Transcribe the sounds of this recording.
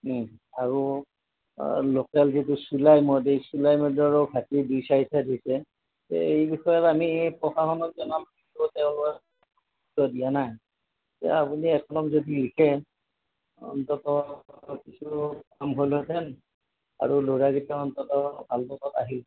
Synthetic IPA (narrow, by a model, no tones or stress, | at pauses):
aɹu | lokalzitusulajmɔdesulajmɔdɔɹɔɡʰʱatidujsaitʰadʱisɛ | tḛejbixɔjɔtamipɹɔxaxɔnɔt̚zɔnamkisɔtɛʊ̃lɔ | uktɔdijanaj | ɛa̰apuniɛkʰɔnɔmzodiɹikʰɛ | ɔ̰nt̪ɔtɔkisʰukamɦojlɦotʰɛn | a̰ɹuloɹaɡitɔɔnt̪ɔtɔbʱalpɔtɔtaɦil